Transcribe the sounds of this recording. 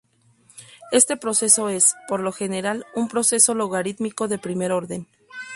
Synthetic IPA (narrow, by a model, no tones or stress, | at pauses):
e̞st̪e̞pɾo̞se̞so̞e̞spo̞ɾlo̞xe̞ne̞ɾalumpɾo̞se̞so̞loɣaɾit̪miko̞ðe̞pɾime̞ɾo̞ɾðe̞n